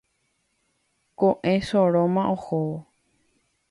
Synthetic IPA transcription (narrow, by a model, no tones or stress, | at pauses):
koʔẽʃoɾõmãʔohoo